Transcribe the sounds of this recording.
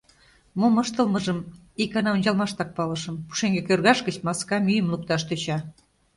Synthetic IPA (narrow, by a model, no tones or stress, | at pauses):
momɤʃt̪əlmɤʒəm | ikɑnɑunʲd͡ʑɑlˠmɑʃt̪ɑk̚pɑlɤ̆ʃɤ̆mpu̥ʃeŋɡekørɣɑʃkə̆t͡ɕmɑskɑmyjəmluk̚t̪ɑʃt̪øt͡ɕɑ